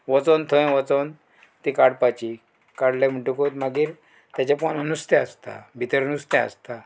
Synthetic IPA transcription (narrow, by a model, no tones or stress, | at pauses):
ʋɔt͡sont̪ʰoẽʋɔt͡sɔn | t̪ikaɽpat͡ɕi | kaɽlam̤uʈukot̪maɡiːɾ | t̪jat͡ɕapɔnənust̪ɛəst̪a̰bʱit̪əɾnust̪ɛ̃ə̰st̪a